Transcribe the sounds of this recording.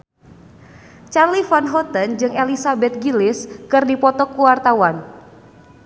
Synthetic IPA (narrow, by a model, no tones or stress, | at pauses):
t͡ʃarlifanɦɔt̪ənd͡ʒɨŋelisabɛt̪̚ɡilɪskɨrdipɔt̪ɔkuwart̪awan